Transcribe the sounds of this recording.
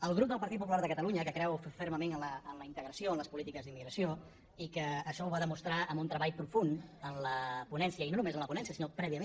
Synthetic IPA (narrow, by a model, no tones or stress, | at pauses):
əlˠɣ̞ɾup̚d̪əlˠpəɾt̪it̪pupulaɾðəkət̪əluɲəkəkɾɛwfəɾməmenənləːnləint̪əɣɾəsioənləspulit̪ikəzðimːiɣɾəsjo | ikəːʃɔuβaðəmust̪ɾaʔəmbunt̪ɾəβaʎpɾufunənləpunɛnsiəinonumezənləpunɛnsiəsinopɾɛβiəme